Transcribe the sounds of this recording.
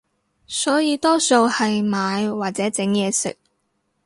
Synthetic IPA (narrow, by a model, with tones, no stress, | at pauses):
sɔː˨˥jiː˧t̪ɔː˥so˧whɐ˨jmaː˨˧jwaː˨˩t̚t͡sɛː˨˥t͡sɪ˨˥ŋjɛː˨˧sɪ̰˨k̚